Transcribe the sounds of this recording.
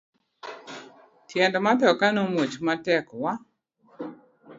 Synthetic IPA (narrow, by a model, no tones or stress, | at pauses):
tʰjɛndmat̪ɔkanomwot͡ʃmatɛkwa